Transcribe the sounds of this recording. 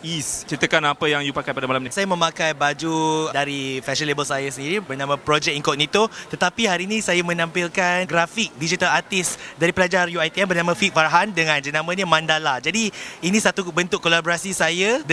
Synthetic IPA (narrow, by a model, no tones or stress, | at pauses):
ist͡ʃəɾit̪əkanapəjaŋjupakajpadamalamɲasajamə̃mãkajbad͡ʒudaɾifɛʃənlebəlsajasəndiɾibərnãmə̃pɾod͡ʒɛk̚iŋkɔt̪̚nĩt̪ot̪ət̪apiɦaɾiːnĩsajamə̃nãmpilkanɡɾafik̚did͡ʒit̪alat̪isdaɾipəlad͡ʒarjuajt̪iɛmbərnamə̃fik̚faɾaɦandəŋãnd͡ʒənãmə̃ɲəmãndalad͡ʒadiinĩsat̪ubənt̪ʊkːolaboɾasisajad